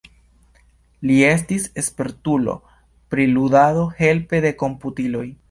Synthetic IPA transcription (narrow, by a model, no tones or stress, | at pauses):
lie̞s̬tise̞spe̞ɾtulo̞̰ | pɾiludado̞he̞lpe̞de̞ko̞mputilo̞j